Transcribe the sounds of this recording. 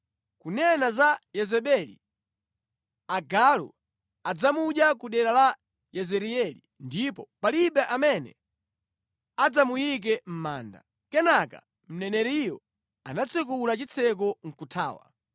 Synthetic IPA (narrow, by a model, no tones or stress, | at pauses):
kunɛnazajɛzɛɓɛlḭ | aɡalṵ | ad͡zamuɗjakuɗɛɾala | jɛzɛɾiɛlḭ | ndipɔpaliɓɛʔamɛnɛ̰ | ad͡zamujik̬ɛm̩ma̰ːnda̰ | kɛnaka̰ | m̩nɛnɛɾijɔ | anat͡sʰɛk̬ulat͡ʃit͡sʰɛk̬ɔŋ̩kutʰa̰ːwa̰